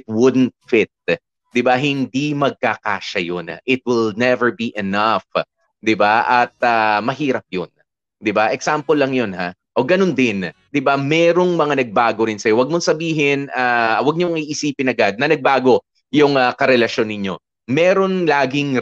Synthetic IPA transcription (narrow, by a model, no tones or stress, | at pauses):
t̪̚wʊd̪nt̪̚fɪt̪̚ | d̪ɪbaɦɪnd̪imɐɡ̚kaka̰ːʃɐjon̰ʔɪt̪̚wɪlnɛvɛɹbiʔɛnaf | d̪ɪbaʔɐt̪̚amɐɦiːɾɐp̚jon | d̪ɪbaʔɛksampolːɐŋjo̞nha | ʔoɡɐnond̪ɪn | d̪ɪbamɛːɾo̞ŋmɐŋanɐɡ̚baːɡo̞ɾɪnsɐjowɐɡ̚moŋsɐbiːɦɪnaːwɐɡ̚ɲoŋiʔisiːpɪnɐɡad̪̚nɐnɐɡ̚baːɡo̞ | jʊŋɐkɐɾɛlɐʃo̞nːɪɲo̞ | mɛːɾo̞nlaːɡɪŋ